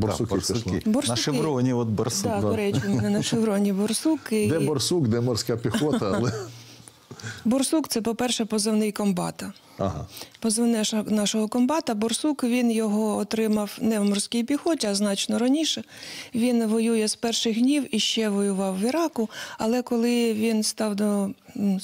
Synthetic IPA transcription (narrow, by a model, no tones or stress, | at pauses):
bɔ̰ʊkiʊkibɔrnʃɪɾɔnʲiɔt̪̚bɔrsd̪ɑd̪ɔɾɛt͡ʃʊmnɛnɐʃɪʋɾɔnʲibɔrsukɪd̪ɛbɔrsukd̪ɛmɔrsʲkapʲixɔt̪ɐɐlˠɛ | bɔrsukt̪sɛpɔpɛrʃɛpɔzɪwnɪjkɔmbɑ̰t̪ɐ | ɐɦa̰pɔzewnɛʃnɑʃɔɦɔkɔmbɑt̪ɐbɔrsukʋʲinjɔɦɔːt̪ɾɪmɐwnɛmɔrsʲkʲɪjpʲixɔtʲiɐznɑt͡ʃnɔɾɐnʲiʃɛʋʲinʋɔjujɛspɛrʃɪxɦnʲiwiʃt͡ʃɛʋɔjʊʋɑwːiɾɑkʊɐlˠɛkɔlˠɪʋʲinst̪ɑwd̪ɔ